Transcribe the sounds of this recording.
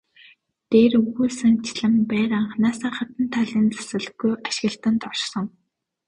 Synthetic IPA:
t̪eːrɵɣuːsɘ̆ŋt͡ɕʰɪɮɘ̆mpæːɾaɴχnaːsə̆ːχat̪ə̆nt̪ʰːaɮiːnt͡sḁsɘ̆ɮɘ̆xɣujaʃɪ̆ɣə̆ɬt̪ə̆nt̪ɔʃsɞ̆ŋ

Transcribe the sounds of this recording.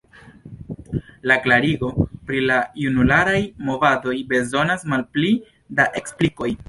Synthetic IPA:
laklaɾiɡo̞pɾilajunulaɾajmo̞vado̞jbe̞zo̞nasmalpli | daʔe̞kspliko̞j

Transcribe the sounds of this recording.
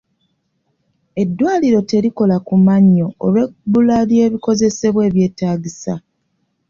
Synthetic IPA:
e̞dːwaːliɾo̞te̞ɾiko̞lakumaɲːo̞ːlwe̞bulalje̞ːβiko̞ze̞se̞βwe̞ːβje̞ːtaːɟisa

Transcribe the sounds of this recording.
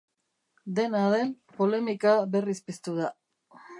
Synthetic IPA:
d̪e̞naðe̞m | po̞le̞mikaβe̞rispist̪uða

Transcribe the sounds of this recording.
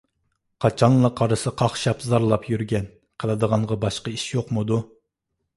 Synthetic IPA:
qʰɑt͡ʃʰɑnlˠɑqʰɑɾɨsɨqʰɑχʃɑpzɑɾlˠɑpjyɾɡʲɛn | qʰəlˠɨd̪əʁɑɴʁɑbɑʃqɑiʃjoqmʊd̪u

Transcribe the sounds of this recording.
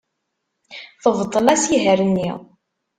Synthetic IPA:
θəvt̪ˤːəlæsiɦəɾənːḭw

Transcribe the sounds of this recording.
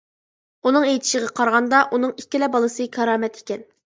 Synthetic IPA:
unɨŋejt̪ʰɪ̥ʃɪʁɑqʰɑɾʁɑnd̪ɑʔunɨŋikʲːilɛbɑlˠɨsɨkʲʰɑɾɑːmɛt̪ʰe̥kʲɛn

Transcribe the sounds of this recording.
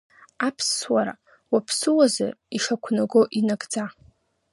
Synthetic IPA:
apʰswaɾa̰ | wapʰsɨwaza̰iʂakʷʰnaɡoʔinaɡʼd͡za

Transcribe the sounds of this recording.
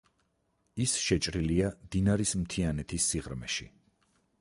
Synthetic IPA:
isʃɛt͡ʃʼɾiliad̪̥inaɾismt̪ʰianɛt̪ʰisːiʁɾmɛ̰ʃḭ

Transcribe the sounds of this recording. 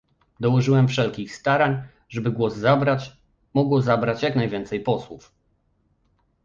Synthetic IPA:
d̪ɔwɔʐɘwɛmfʂɛlkʲixst̪aɾaɲ | ʐɛbɘɡwɔzːabɾat͡ɕ | mɔɡwɔzabɾat͡ɕjaknajvʲjɛnt̪sɛjpɔswuf

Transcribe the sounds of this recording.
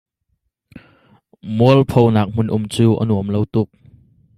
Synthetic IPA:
muəlpʰownaːk̚m̥ʊnʔʊmt͡suːʔə̰nuəmlowt̪ʊk̚

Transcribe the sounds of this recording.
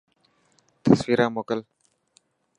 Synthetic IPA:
t̪ʰəswiːɾãːmoːkəl

